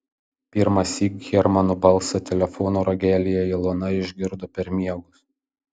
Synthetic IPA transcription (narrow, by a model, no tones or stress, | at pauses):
pʲɪɾmɐsʲiːɡɡʲɛɾmɐnubɐlˠˑsɐt̪ʲɛlʲɛfɔnuːɾɐɡʲæːlʲɪjɛɪlˠunɐɪʒʲɡʲɪɾd̪oːpʲɛɾmʲiɛɡʊs